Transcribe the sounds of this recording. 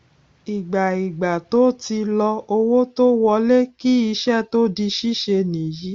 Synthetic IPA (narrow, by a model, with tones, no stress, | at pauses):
i˨ɡ͡ba˨i˨ɡ͡ba˨to˨˦ti˧lɔ˧o˧wo˦to˦wɔ˧˦le˦ki˦i˧ʃɛ˦˨to˦di˧ʃi˦ʃe˧nĩ˨ji˨˦